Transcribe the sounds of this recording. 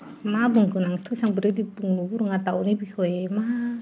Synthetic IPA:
mabuŋkunaŋt̪ʰusaŋbəɾidibuŋuburŋat̪aunibikoema

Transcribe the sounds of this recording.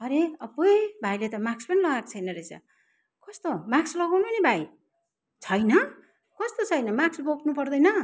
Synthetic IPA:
ʌɾeʌbojbʱajlet̪ʌmakspʌnilʌɡakt͡sʰʌjnʌɾet͡sʰʌ̰ | kʌst̪omakslʌɡawnpnibʱaj | t͡sʰʌjnʌ | kʌst̪ot͡sʰʌjnʌmaksboknupʌrd̪ʌjnʌ

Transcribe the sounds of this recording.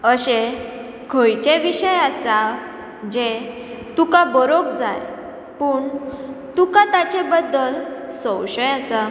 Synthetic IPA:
əɕe | kʰojt͡ɕeʋiɕəjasa | d͡ʑe | t̪ukabəɾokd͡zaj | puːɳt̪ukãt̪at͡ɕebəd̪ːəlsɔ̃wɕəjasa

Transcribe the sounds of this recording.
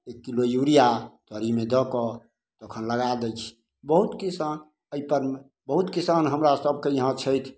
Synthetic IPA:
ekːilojuɾijat̪ɔɾimed̪ɔkɔ | t̪əkʰənləɡad̪əjt͡ʃʰ | bəɦut̪kisan | əipəɾm | bəɦut̪kisanɦəmɾasəb̚ʱkejəɦãt͡ʃʰəjt̪ʰ

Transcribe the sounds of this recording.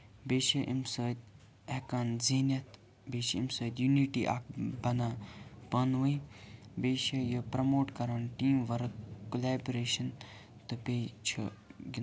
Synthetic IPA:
beːʃɐʔimsəːt̪̚ | ekaːnziːnɐt̪ | beːʃiimsoːjd̪juniːʈḭʔa̰ːkbɐnaːpɐnʋəibeːʃɐjəpɾɐmoːʈkɐɾaːnʈiːmʋɐɾɐkkulaːbɾeːʃɐn | t̪ɨpeːt͡ʃʰṵɡi

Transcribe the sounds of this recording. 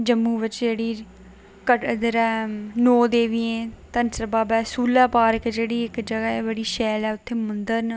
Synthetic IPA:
d͡ʒəmːuːʋɪt͡ʃd͡ʒeːɽiː | kəʈd̪əɾɛːnoːd̪eːʋiːẽːt̪ənsəɾbaːbɛːsuːlaːpaːɾəkd͡ʒeːɽiːɪkd͡ʒəɡaeːbəɽiːʃɛːlɛːʊt̪ʰːeːmʊnd̪əɾn

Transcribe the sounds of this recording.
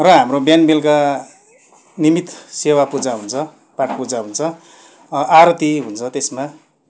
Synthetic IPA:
rʌɦamrobjanbelka | nimit̪sewapud͡zaɦunt͡sʰʌ | paʈpud͡zaɦunt͡sʰʌ | aɾʌt̪iɦunt͡sʰʌt̪esma

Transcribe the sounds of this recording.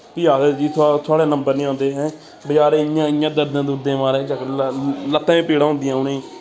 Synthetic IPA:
pɪjaːsed͡ʒiːt̪ʰːt̪ʰʊaːɽeːnəmbəɾnĩːãːnd̪eːɦɛ̃ː | bəd͡ʒaːɾeːɪjãːɪjãːd̪əɾd̪ãːd̪uːɾd̪ẽːmaːɾẽːt͡ʃəkːələt̪ːãːẽːpiːɽãːɦʊ̃ːnd̪ɪjãːʊneː

